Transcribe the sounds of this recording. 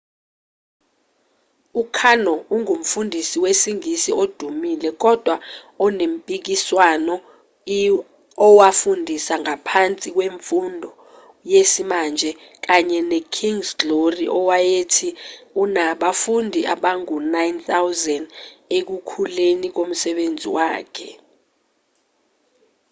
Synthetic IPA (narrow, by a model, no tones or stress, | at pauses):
ukʰanɔuŋum̩fundʱisiwesiŋisiod̥ʱumilɛk̬ɔd̥ʱwa | ɔnem̩pʼik̬iswanɔ | ɔwafundʱisaŋapʰant͡sʼik̬weɱfundʱɔ | jesimand͡ʒʱɛ | k̬aɲɛnɛkʰiŋsloriʔɔwajetʰiunaɓafundʱiʔaɓaŋunajnt̪awzɛndek̬ukʰulenik̬om̩sɛɓend͡zʱḭwa̰ːkʰɛ